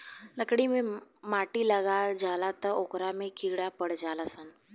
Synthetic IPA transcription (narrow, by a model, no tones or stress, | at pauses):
nəkɽiːmimaʈiːləɡald͡zʱalat̪əɾokɾamekiɡɽapəɽd͡zʱalasan